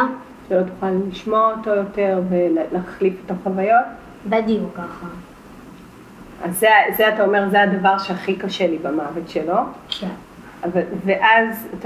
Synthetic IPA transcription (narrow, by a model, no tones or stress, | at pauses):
ʃelot̪u̥χalːiʃmooto̞jote̞ʁve̞llaχlifet̪oχavajo̞t̚ | vead̪iukaχa | azːezeatao̞me̞ʁzead̪avaʁʃeaχikaʃelibamavetʃelo̞k | avalveʔazat